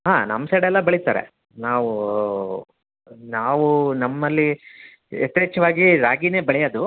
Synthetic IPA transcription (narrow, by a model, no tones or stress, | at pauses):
ɦaːnɐ̰msɐɽɛlːɐbɐɭit̪a̰ːɾḛ | naːʋu | naːʋunɐmːɐlːi | et̪ːeːt͡ʃɐʋaːɡiɾaːɡine̞ːbɐɭɛjɐːd̪u